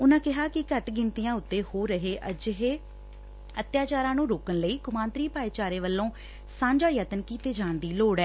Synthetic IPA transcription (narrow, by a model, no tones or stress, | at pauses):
ʊnãːkɪɦaːkɪkəʈɡɪnt̪ijãːʊt̪ːeːhoːɾəɦeːʔəd͡ʒəɦeː | ət̪jaːt͡ʃaːɾãːnũːɾoːkənləiːkʊmãːnt̪ɾiːpaːiːt͡ʃaːɾeːʋəlːõː | sãːɲd͡ʒaːjət̪ənkiːt̪eːd͡ʒãːɳd̪iːloːɽɛː